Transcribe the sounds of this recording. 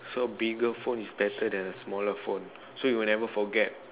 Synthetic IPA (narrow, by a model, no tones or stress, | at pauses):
sobiɡəfõnisbɛtʰədɛ̃nəsmɔləfõn | sojuwinɛvəfɔɡɛt̚